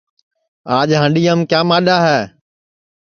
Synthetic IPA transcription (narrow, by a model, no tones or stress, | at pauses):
aːʄɦə̃ːɳɗiːəmkjãːmaːɗaːɦɛː